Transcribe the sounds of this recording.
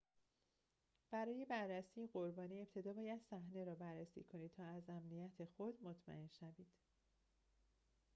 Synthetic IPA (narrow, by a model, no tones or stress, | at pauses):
b̥æɾɒːje̞bærːæsiːeɢo̞ɾbɒːniːe̞p̚t̪ʰe̞d̪ɒːbɒːjæd̪̥sæhne̞ɾɒːbærːæsḭːkʰo̞niːd̪̚t̪ʰɒːæzæmnijæt̪ʰe̞xo̞d̪mo̞t̪ʰmæ̰ʔe̞nʃæviːd̪̥